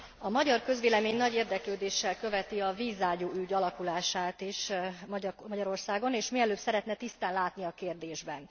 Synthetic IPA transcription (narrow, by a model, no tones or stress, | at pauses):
ɒmɒɟɒrkø̞zʋeːlɛmeːɲnɒɟeːrd̪ɛkløːd̪eːʃːɛlkø̞vɛt̪iɒviːzːaːɟuːʔyɟɒlɒkulaːʃaːt̪iʃɒmɒɟɒɾo̞rsaːɡo̞neːʃmiɛløːbsɛɾɛt̪nɛt̪ist̪aːnlaːt̪niɒkeːrd̪eːʒbɛn